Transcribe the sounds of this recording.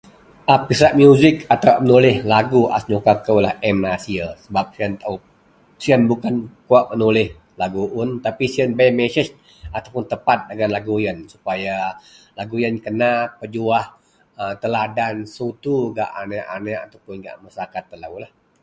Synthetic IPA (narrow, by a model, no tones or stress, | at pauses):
ʔapisaʔmjuzɪkat̪awmənulɪhlaɡuʔa̰sɲokakəwlahʔɛmnasiasəbap̚siənt̪aw | siənbukankuaʔmənulɪh | laɡuʔʊnt̪apisiənbamɛsəs | at̪awpʊnt̪əpat̪̚dəɡanlaɡujənsu̥paja | laɡujənkənapəd͡ʒuah | ət̪əladansut̪uɡa̰ʔa̰nɛʔa̰nɛʔat̪awpʊnɡa̰ʔmasakat̪ːəlawlah